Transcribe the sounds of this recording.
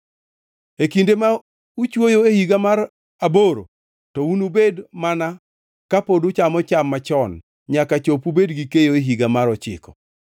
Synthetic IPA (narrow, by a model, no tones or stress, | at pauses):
ekindema | ut͡ʃwojoehiɡamaɾ | aboɾo̰ | tɔunubedmana | kapodut͡ʃamɔt͡ʃamːat͡ʃɔn | ɲakat͡ʃopubedɡikejoeɦiɡamaɾɔt͡ʃɪ̰kɔ̥̰